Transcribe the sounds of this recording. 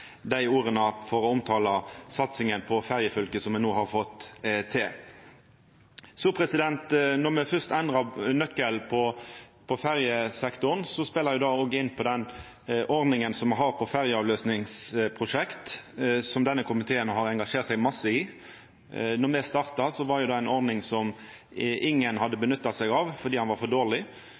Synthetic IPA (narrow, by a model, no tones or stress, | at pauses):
d̪æɪuːɾənəfɔɾɔɔmt̪ʰɑːlɑsɑt̪sɪŋənpʰɔfæʁjəfœlkəsɔmːɛnoːhɑʁfɔt̪ːt̪ʰɪ | supʰɾɛsɪd̪ɛnt̪nɔʁmɛfœst̪ɛnd̪ʁɑnœkːəlpʰɔpʰɔfæʁjəsɛkt̪ʊʁnsɔspɛlːəjʊd̪ɑːoːɡəɪnːpʰɔd̪ɛn | ʔɔɾd̪nɪŋənsɔmɛɦɑːʁpʰɔfæɾjəɑʋløːsnɪŋspʰʁʊʂɛkt̪sɔmd̪ɛnːəkʰʊmɪt̪ʰeːənɦɑɾɛŋɡɑʂeːʁt̪sɛɡmɑsːəɪ | nɔʁmɛst̪ɑʁt̪ɑsɔʋɑɾjʊd̪ɑːæɪnɔʁd̪nɪŋsɔm | ʔɪŋːənhɑd̪ːəbənʏt̪ːɑt̪sɛɡɑʋfɔʁd̪iːhɑnʋɑɾfɔd̪oːʁlɪ